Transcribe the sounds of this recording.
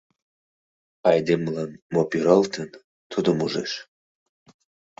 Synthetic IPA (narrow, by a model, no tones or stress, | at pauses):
ɑjd̪emlɑnmopiɾalt̪ʰən | t̪ʰud̪omuʒḛʃ